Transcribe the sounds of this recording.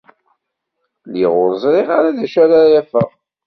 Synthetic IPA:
liʁʊɾəzˤɾiʁaɾaðæʃæɾajæfəʁ

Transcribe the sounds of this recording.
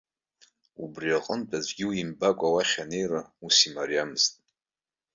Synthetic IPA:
ubriaqʼəntʰʼad͡ʒʷɡʲiwimbakʷʼawaχʲane̞jrausimaɾijamztʼ

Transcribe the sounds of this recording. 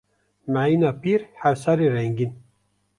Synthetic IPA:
mæiːnɑːpiːɾhæɾsɑːɾiːɾɛŋɡin

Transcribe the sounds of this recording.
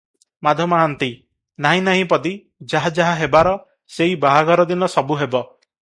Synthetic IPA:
mad̪ʱjɔmɔaant̪i | naɦĩnaɦĩpɔd̪i | d͡ʒaɦad͡ʒaɦaɦebaɾɔ | seibaɦaɡɔɾɔd̪inɔsɔbuɦebɔ

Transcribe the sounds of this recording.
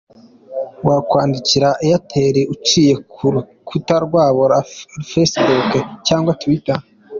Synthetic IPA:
wakwaːndiciɾaʔejatʰeɾiʔut͡ʃiːje̞ | kʰutaɾɡwaːβoɾafesbukecaːŋɡwatwita

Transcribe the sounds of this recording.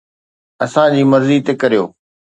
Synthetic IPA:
ɐsãd͡ʑiːmɐɾziːt̪eːkɐɾijo̰ː

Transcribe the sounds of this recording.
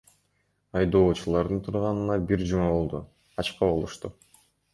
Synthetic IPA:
ɑjd̪o̞ːt͡ʃulˠɑɾd̪ɯnt̪ʰuɾʁɑnɯnɑbiɾd͡ʒumɑbo̞lˠd̪u | ɑt͡ʃqɑbo̞lˠuʃt̪u

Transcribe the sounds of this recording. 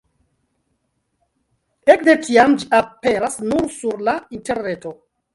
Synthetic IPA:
ekde̞tiamd͡ʒiʔapeɾasnuɾsuɾlainte̞ɾne̞to̞

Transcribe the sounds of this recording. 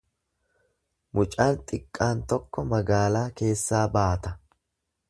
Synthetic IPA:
mʊt͡ʃʼaːnt̪ʼɪkʼːaːnt̪ɔkːɔmɐɡaːlaːke̞ːsːaːbaːt̪ɐ

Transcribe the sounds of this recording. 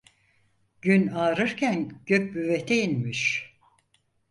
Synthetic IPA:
ɟ̥ynaːɾɯɾcʰænɟ̥øc̚byvet̪ʰɛinmiʃ

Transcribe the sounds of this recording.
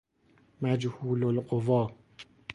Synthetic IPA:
mæd͡ʒhuːlolqovɒː

